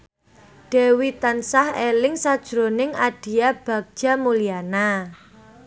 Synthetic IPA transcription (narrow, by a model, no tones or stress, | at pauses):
ɖ̥e̤wit̪ansahelɪŋsad̥ʒ̥ɾonɪŋaɖ̥i̤jab̥a̤ɡ̚d̥ʒ̥a̤muliana